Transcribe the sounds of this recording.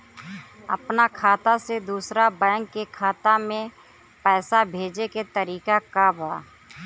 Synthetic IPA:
ɐ̰pnakʰaːt̪ased̪uːsɾabɛ̃ːŋkːekʰaːt̪amẽ | pɛːsabʱeːd͡ʒeket̪əɾiːkakabʱa̰ː

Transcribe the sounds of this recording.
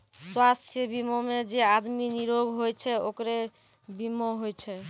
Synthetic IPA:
swast̪ʰjebimomed͡ʒead̪miniɾoɡʱɦojt͡ɕʰeokɾe | bimːoɦojt͡ɕʰe

